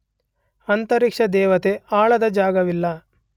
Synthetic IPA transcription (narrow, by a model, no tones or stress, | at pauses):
ɐnt̪ɐɾikʂɐd̪ɛːʋɐt̪eaːɭɐd̪ɐd͡ʒaːɡɐʋilːɐ